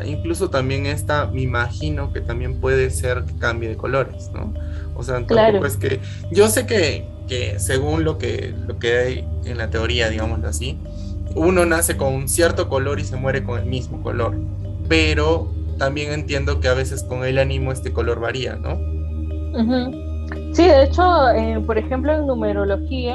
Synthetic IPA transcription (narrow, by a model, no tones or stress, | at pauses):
ḭŋklus̬o̞t̪ambje̞ŋest̪ameimaxino̞ke̞t̪ambje̞mpwe̞ð̞e̞se̞ɾke̥kambjeðe̞ko̞̰lo̞ɾe̞sno̰o̰seat̪laɾopweskḛ | ɟ͡ʝo̞se̞ke̞ | kese̞ɣunlo̞kḛlo̞ke̞ajḛnlat̪e̞o̞ɾiaðiɣamozloasi | uno̞nase̞ko̞nŋunsje̞ɾt̪o̞ko̞lo̞ɾise̞mwe̞ɾe̞ko̞ŋe̞lmizmo̞ko̞̰lo̞ɾ | pe̞ɾo̞t̪ambje̞ŋe̞nt̪je̞nd̪o̞ke̞aβ̞e̞se̞sko̞ŋe̞lanĩmo̞e̞st̪e̞ko̞loɾβaɾia̰no̰ | m̩xm̩ | siðeet͡ʃoepoɾexemploeŋnũmeɾoloxia